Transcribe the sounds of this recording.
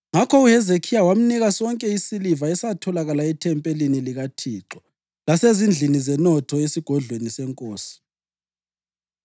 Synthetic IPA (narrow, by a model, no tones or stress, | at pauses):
ŋakʰɔuhɛzekʰijawam̩niɣasɔŋkʼɛisilivaɛsatʰɔlaɣalaɛtʰɛmpʼeliniliɣatʰiːǁɔ | lasezind͡ɮʱinizɛnɔtʰɔesiɡ̥ʱɔɮwenisɛŋkʼoːsi̥